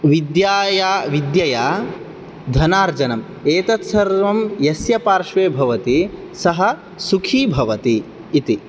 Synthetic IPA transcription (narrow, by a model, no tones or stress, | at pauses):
ʋid̪jaːjaːʋid̪jɐjaː | d̪ʱɐnaːɾd͡ʒɐnɐm | eːt̪ɐt̪sɐɾʋɐmjɐsjɐpaːɾʃʋeːbʱɐʋɐt̪i | sɐɦɐ̆ | sukʰiːbʱɐʋɐt̪iː | t̪i